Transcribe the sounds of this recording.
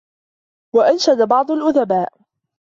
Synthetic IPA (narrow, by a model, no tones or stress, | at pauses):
waʔanʃad̪abɑʕd̪ˤʊlʔʊðabaːʔ